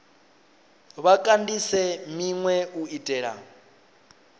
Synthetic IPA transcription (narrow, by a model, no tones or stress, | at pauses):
βakʼandisɛmiŋwɛuitʼɛːɺa̰